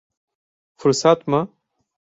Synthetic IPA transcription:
fuɾsat̪mɐ

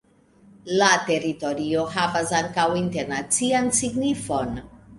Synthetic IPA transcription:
late̞ɾito̞ɾio̞havasaŋkawinte̞ɾnat͡siansiɡnifo̞n

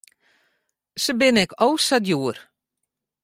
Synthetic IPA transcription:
səbɪnɛkowsadjuər

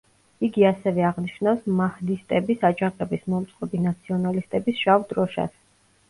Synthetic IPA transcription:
iɡiasɛvɛaʁniʃnafsmahd̪ist̪ʼɛbisad͡ʒaqʼɛbismɔmt̪sʼqʼɛbinat̪sʰiɔnalist̪ʼɛbisʃavd̪ɾɔʃa̰s

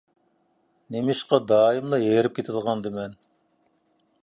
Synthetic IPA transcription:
nemɪʃqɑd̪ɑːjimlˠɨeɾɪp̚kʲet̪ʰɪlˠʁɑnd̪ɨmɛn

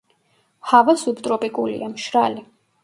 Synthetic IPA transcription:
havasubt̪ʼɾɔpʼikʼulḭamʃɾali

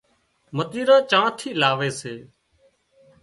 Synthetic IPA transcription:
mət̪iːɾãːt͡ʃãːt̪ʰiːlaːʋeːseː

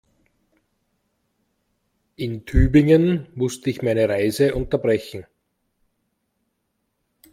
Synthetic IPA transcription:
ʔɪntʰyːbɪŋənmʊstəɪçmaɪnəʁaɪzəʔʊ̃ntɐbʁɛçn̩

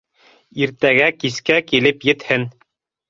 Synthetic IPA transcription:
iɾt̪æɡækiskækilɘpjɘ̆t̪hɘn

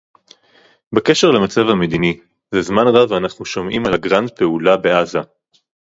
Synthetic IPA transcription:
beke̞ʃe̞ʁlemat͡savhame̞d̪ini | zezmanʁavanaχnuʃomʔimalaɡʁand̪̚pe̞ulabe̞ʔaza

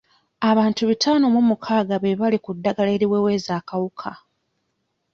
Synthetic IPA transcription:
aβaːntuβitʰaːno̞mumukʰaːɡaβeβalikudːaɡaleːɾiweːwe̞ːzaːkawukʰa

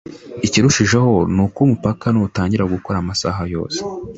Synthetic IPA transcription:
iciɾuʃiʒeho̞nuːkomupakanuːtaːɲɟiɾaɡukoɾamasa̰ɦajo̞ːse̥

